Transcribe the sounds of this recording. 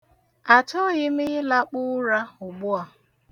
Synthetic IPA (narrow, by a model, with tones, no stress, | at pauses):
a˨t͡ʃɔ˦˨ɲɪ˦mɪ˦ɪ˦la˦k͡pʊ˦ɾa˦ʊ˨ɡ͡bʊ˦a˨